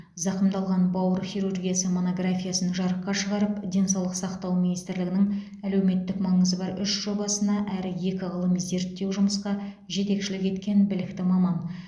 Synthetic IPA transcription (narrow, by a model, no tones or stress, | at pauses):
zɑqəmd̪ɑlˠʁɑnbɑwəɾχiɾurɡʲijasəmo̞noɡrafʲijasənʒɑɾəqːɑʃəʁɑɾəpd̪ʲe̞nsɑwlˠəqsɑqt̪ɑwminijst̪ɪɾlɪɡɪnɪŋ | æle̞wme̞t̪ːɪkmɑɴəzəbɑɾʏʃʒ̥o̞bɑsənɑʔæɾɪje̞kʲɪʁəlˠəmze̞ɾt̪ːe̞wʒʊməsqɑ | ʒe̞t̪e̞kʃɪlɪke̞t̪kʲe̞nbɪlɪkt̪ɪmɑmɑn